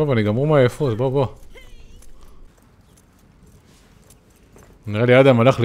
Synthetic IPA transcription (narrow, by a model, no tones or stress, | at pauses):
oboniɡamʁumajefut̪bobo | niʁelijad̪amalaχl